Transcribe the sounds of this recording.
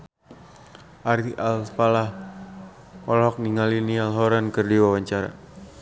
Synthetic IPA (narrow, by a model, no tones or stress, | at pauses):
ʔaɾiʔalpalah | ɔlɔk̚niŋalinialɦɔɾankərdiwawaɲt͡ʃaɾa̰